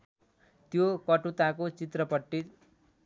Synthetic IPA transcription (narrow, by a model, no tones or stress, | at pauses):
t̪jokʌʈut̪akot͡sit̪rʌpʌʈːit̪